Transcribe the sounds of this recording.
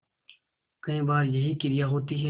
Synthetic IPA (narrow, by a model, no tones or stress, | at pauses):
kɐĩːbaːɾjɐɦikɪɾijaːɦoːt̪iɦɛ